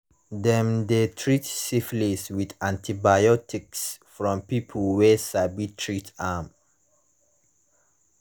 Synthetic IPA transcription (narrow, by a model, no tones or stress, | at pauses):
dɛ̃mdetʰɹitsifliswidãntʰibajɔtʰiksfɹɔ̃mpipʰəlˠwɛsaɪbitʰɹitam